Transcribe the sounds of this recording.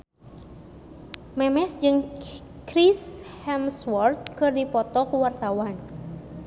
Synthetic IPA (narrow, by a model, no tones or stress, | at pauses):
mɛmɛsd͡ʒɨŋ | kɾishɛmswɔrt̪̚kɨrdipɔt̪ɔkuwart̪awan